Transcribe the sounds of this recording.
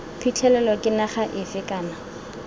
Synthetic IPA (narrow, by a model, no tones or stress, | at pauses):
pʰit͡ɬʰɛlɛlɔkʼɪnaχaʔɪfɪkʼaːna